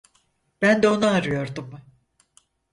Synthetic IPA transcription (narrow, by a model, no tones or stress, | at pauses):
b̥ænd̪ɛo̞naːɾɯjo̞ɾd̪um